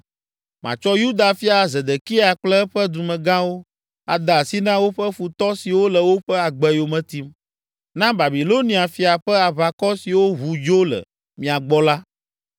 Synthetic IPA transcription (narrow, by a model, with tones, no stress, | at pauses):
mʔã̰˨t͡ʃɔ˦ju˦d̪a˨fi˦a˨zɛ˨d̪ɛ˨ki˦a˨k͡plɛ˦ɸɛ˦d̪u˨mɛ̃˨ɡã˦wo˦ | a˨d̪a˨si˦nã˦wo˦ɸɛ˦fu˨t̪ɔ˦si˨wo˦lə˨wo˦ɸɛ˦a˨ɡ͡bɛ˦jo˨mɛ̃˨t̪i˦m | nã˦ba˨bi˨lo˦nĩ˦a˨fi˨a˨ɸɛ˦a˨βa˨kɔ˦si˨wo˦ɦu˨d͡ʒo˦lɛ̰˨ | mĩ˨a˨ɡ͡bɔ˦la˦